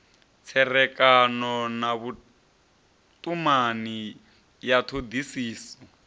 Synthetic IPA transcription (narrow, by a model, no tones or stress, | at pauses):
t͡sʰɛrɛkʼanɔnaβu | tʼumani | jatʰod̪isiːsɔ